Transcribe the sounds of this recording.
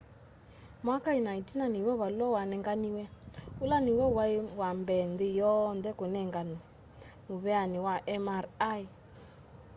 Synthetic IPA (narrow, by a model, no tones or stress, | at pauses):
makajinaitinaniwɛβaluɔwanɛŋɡaniwɛulaniwɛwawambɛndejɔndɛkonɛŋɡani | muβɛaniwaʔɛmaɾai